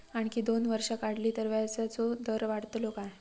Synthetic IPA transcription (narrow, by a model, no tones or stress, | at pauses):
aɳkiːd̪onʋəɾʂakaɽliːt̪əɾʋjat͡sat͡sod̪əɾʋaɽt̪lokaj